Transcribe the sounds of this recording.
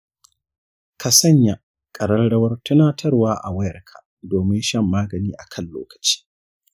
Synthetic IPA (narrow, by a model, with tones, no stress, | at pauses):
kʰa˨sɐ˦˨ɲja˨ | kʼɐ˨ɽɐ˦nɽɐ˦wɐ˦rtʊ˦naː˦tʰɐ˦rwaː˦ʔa̰˨wɐ˦jɐ˨rkʰa̰˨ | doː˨mɪ˦nʃɐ˦mːaː˦ɡɐ˨niː˦ʔa˨kʰɐ˦˨llo̰ː˦kɐ̥˨t͡ʃi̥ː˦